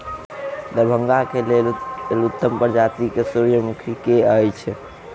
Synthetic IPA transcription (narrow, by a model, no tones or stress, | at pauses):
d̪əbʱəŋɡakelellut̪ːəmpəɾd͡ʒat̪ikesuɾjəmukʰikeəjt͡ʃʰ